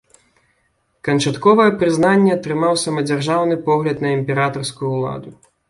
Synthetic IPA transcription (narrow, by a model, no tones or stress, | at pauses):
kɐnt͡ʂat̪kɔvɐjɛpɾɨznanʲːɛɐt̪ɾɨmawsɐmɐd͡zʲarʐawnɨpɔɣlʲɐt̪nɐimʲpʲɛɾat̪ɐrskujuːlˠa̰d̪u